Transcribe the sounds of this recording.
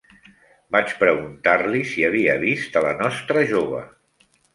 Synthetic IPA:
bat͡ʃpɾəɣunt̪arlisiəβ̞iəβist̪ələnɔst̪ɾəʒoβ̞ə̰

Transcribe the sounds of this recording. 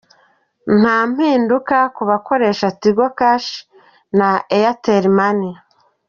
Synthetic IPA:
n̥haːm̥hiːndukakuβako̞ɾe̞ːʃatiɡokaʃ | naejateɾimani

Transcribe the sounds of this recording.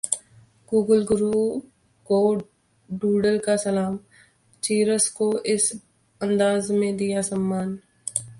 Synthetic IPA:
ɡuːɡəlɡʊɾuː | ko | ɖuːɖəɾkasɐlaːm | t͡ʃiːɾəskoʔɪs | ɐ̃nd̪aːzmẽd̪ijasɐmːaːn

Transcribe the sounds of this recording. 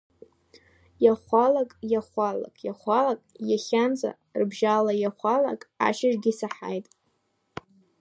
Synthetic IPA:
jaχʷalakʼjaχʷala̰kʼjaχʷalakʼjaχʲanzʼa̰ | rbʒalajaχʷala̰kʼa̰ʃaʒɡʲisaħa̰jtʼ

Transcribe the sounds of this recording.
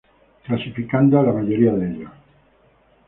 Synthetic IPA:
klasifikand̪oalamaʎoɾiaðeʎa

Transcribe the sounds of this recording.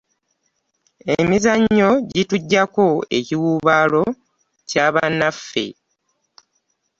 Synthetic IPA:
emizaɲːo̞ɟituɟːako̞e̞̰ciwuːβaːlo̞ | caːβanːafːe̞̰

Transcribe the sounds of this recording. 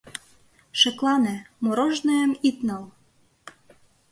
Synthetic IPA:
ʃĕklɑnĕmoɾoʒnɤjəmit̪nɤl

